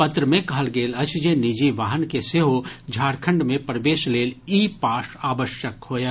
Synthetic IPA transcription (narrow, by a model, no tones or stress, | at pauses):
pɐt̪ɾəmẽkɐɦəlɡeːlɐt͡ʃd͡ʒenid͡ʒiʋaːɦənkeseɦod͡ʒʱaːɾkʰə̃ɳɖmẽpɾəʋeːʃleːliːpaːʃaːʋəʃjəkhoːjaː